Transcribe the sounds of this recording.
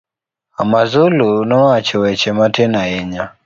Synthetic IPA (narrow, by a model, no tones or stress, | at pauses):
amazulunɔat͡ʃɔwɛt͡ʃɛmatɛnaɛɲa